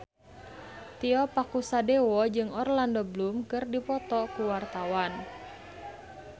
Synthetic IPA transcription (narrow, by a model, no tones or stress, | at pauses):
t̪iɔpakusadewɔd͡ʒɨŋɔrlandɔblumkɨrdipɔt̪ɔkuwart̪awan